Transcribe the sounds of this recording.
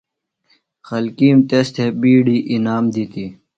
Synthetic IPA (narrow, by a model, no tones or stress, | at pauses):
xɐlkiːmt̪est̪ʰebiːɖiːʔinaːmd̪it̪i